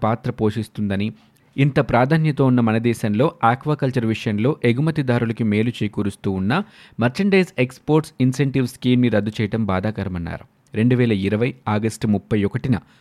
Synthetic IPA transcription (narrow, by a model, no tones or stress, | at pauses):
paːt̪ɾɐpo̞ːʂist̪und̪ɐni | int̪ɐpɾaːd̪ʱaːnjɐt̪oːunːɐmɐnɐd̪ɛːʃɐnlo̞ːaːkʋaːkɐlt͡ʃɐɾʋiʂɐjɐnlo̞ːʔe̞ɡumɐt̪id̪aːɾulɐkime̞ːlut͡ʃeːkuːɾust̪uːunːɐ | mɐɾt͡ʃɐɳɖɐjsekspo̞ːɾʈsinseɳʈiʋskiːmniɾɐd̪ːut͡ʃɛːjɐʈɐmbaːd̪aːkɐɾɐmɐnːa̰ːɾu | ɾe̞ɳɖuʋɛːlɐiɾɐʋɐjaːɡɐsʈmupːɐjɔkɐʈinɐ